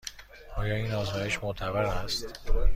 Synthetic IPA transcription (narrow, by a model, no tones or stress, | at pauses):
ʔɒːjɒːiːnɒːzmɒːjeʃmot̪ʰæbæɾæst̪